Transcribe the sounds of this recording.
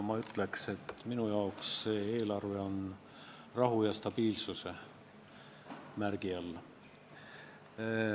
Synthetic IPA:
mɑyt̪ːˑle̞kse̞t̪minujɑoksːeːe̞ːlɑrve̞o̞n | rɑɦujɑst̪ɑb̥iːlsuse̞ | mærɡ̥iɑlː

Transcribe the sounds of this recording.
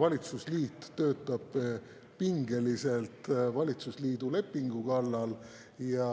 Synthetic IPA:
vɑlʲit̪susliːt̪ːø̞ːt̪ːˑɑb̥ | piŋɡe̞lise̞lt̪vɑlʲit̪susliːd̪ule̞pːiŋɡ̥ukɑlːɑl | jɑ

